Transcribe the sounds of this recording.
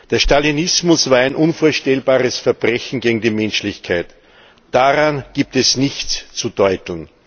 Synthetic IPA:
d̥eːɐʃtalinɪsmʊsv̥aːɐæɪnʔʊnfoːɐʃtɛlbaːʁəsfɛɐb̥ʁɛçn̩ɡeːɡŋ̩diːmɛnʃlɪçkʰaɪt | d̥aʁanɡ̥iːp̚tɛsnɪçt͡st͡sudɔʏtln̩

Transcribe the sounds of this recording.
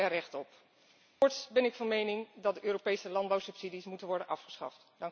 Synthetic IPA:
ɛrɛχtɔp | kʊɹtsbɛnɪkfɑnmejnɪŋdɑt̚dəʔøːropejsəlɑndbɑwsɵpsidismutənʋɔɹdənʔɑfχə̥sχɑ̰ftdɑŋ

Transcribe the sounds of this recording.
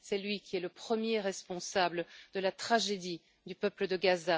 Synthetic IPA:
sɛlɥikʲiɛləpχəmjeʁɛspɔ̃sabləd̪əlat̪χaʒed̪i | d̪ypœpləd̪əɡaza

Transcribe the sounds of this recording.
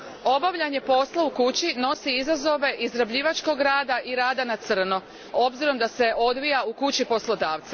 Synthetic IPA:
o̞baʋʎaɲe̞po̞slˠaukut͡ɕino̞siizazo̞ʋe̞ʔizɾabʎiːʋat͡ʃko̞ɡɾaːd̪aʔiɾaːd̪anat̪sr̩no̞ | o̞bziɾo̞md̪ase̞ʔo̞d̪ʋijaukut͡ɕipo̞slˠo̞d̪aːʋt̪sa

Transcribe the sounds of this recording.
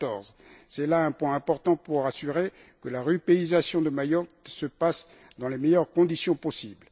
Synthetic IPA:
t̪ɔʁzsɛlaɛ̃pwɛ̃ɛ̃pɔʁt̪ɑ̃puʁasyʁe | kəlaʁypeizasjɔ̃d̪əmajɔkt̪səpas | d̪ɑ̃lemɛjœʁkɔ̃d̪isjɔ̃pɔsibl

